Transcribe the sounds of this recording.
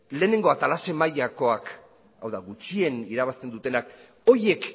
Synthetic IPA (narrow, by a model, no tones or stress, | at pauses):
le̞ːne̞ŋɡo̞at̪alase̞maʎako̞ak | awðaɣut͡ʃie̞niɾaβast̪e̞nd̪ut̪e̞nak | o̞je̞k